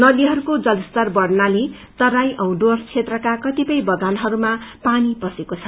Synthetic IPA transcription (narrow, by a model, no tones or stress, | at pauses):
nʌd̪iɦʌɾukod͡zʌlʌst̪ʌrbʌɽnale | t̪ʌɾajʔʌw̃ɖort͡sʰet̪rʌkakʌt̪ipʌjbʌɡanɦʌɾumapanipʌsekot͡sʰʌ